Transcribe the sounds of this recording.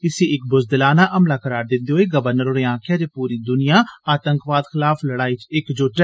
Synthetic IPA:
ɪseːɪk̚bʊzd̪ɪlaːnaːʔəmlaːkəɾaːɾd̪ɪnd̪iːɦoːeːɡəʋəɾnəɾoːɾeːãːkʰɪjaːd͡ʒeːpuːɾiːd̪ʊnɪjaːaːt̪əŋkʋaːd̪xɪlaːfləɽaːiːt͡ʃɪkd͡ʒʊʈɛ

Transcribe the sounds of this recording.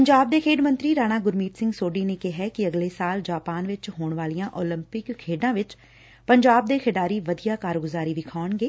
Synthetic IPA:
pəɲd͡ʒaːb̚d̪eːkʰeːɖmə̃nt̪ɾiːɾaːñaːɡʊɾmiːt̪sɪ̃ŋɡsoːɖiːneːkɪɦɛːkɪəɡleːsaːld͡ʒaːpaːnʋɪt͡ʃɦoːɳʋaːlijãːʔoːlɪmpɪkkʰeːɖãːʋɪt͡ʃ | pəɲd͡ʒaːb̚d̪eːkʰɪɖaːɾiːʋəd̪ijaːkaːɾɡʊzaːɾiːdɪkʰaːɳɡeː

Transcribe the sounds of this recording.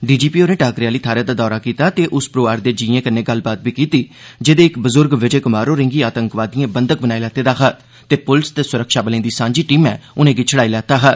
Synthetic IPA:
ɖiːd͡ʒiːpiːoːɾnẽːʈaːkɾɪjaːliːt̪ʰaːɾeːd̪aːd̪ɔːɾaːkiːt̪aːt̪eːʔʊspɾoːʋaːɾd̪eːd͡ʒiːẽːkəneːɡəlbaːt̪̚biːkiːt̪iːd͡ʒɪd̪eːɪkbəzʊɾɡʋɪd͡ʒeːkʊmaːɾõːɾɪ̃ŋɡiːaːt̪əŋkʋaːd̪iãːbənd̪ək̚bənaːilɛːt̪eːd̪aːɦaː | t̪eːpʊlst̪eːsʊɾəkʃaːbəlẽːd̪iːsãːɲd͡ʒiːʈiːmɛːʊnẽːɡit͡ʃʰəɽaːiːlɛːt̪aːɦɛː

